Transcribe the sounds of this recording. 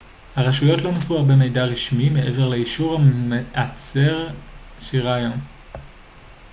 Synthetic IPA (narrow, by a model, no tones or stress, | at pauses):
haʁaʃujo̞tlo̞misbeʁbemejdaʁiʃmimeʔe̞ve̞ʁleiʃuʁameʔat͡seʁʃiʁajon